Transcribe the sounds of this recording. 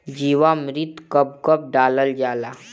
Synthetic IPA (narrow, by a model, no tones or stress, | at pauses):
d͡ʒiːwamɾɪt̪kəp̚kəp̚ɖaːləld͡ʒaːlaː